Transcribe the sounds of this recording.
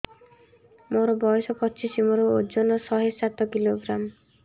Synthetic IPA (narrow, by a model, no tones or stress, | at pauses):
moɾɔbɔjɔsɔpɔt͡ʃisimoɾood͡ʒɔnɔsɔɦesat̪ɔkiloɡɾam